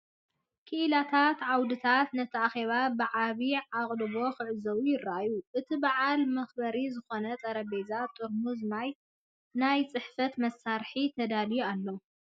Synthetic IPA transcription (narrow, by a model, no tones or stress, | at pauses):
kʰɨʔɨlat̪ʰat̪ʕawd̪ɨt̪ʰat̪nɐt̪ʰɐaxeβabɨʕaβiʕaqʼlɨβo̞xɨʕɨzɐwujɪrːaʔajuʔɨt̪ʰibaʕalmɐxbɐɾizɨxo̞nɐt͡s̪ʼɐɾɐbezat̪ʼuɾmuzmaj | najt͡sʼɨħfɐt̪mɐsːaɾħit̪ʰɐd̪alijalːɐ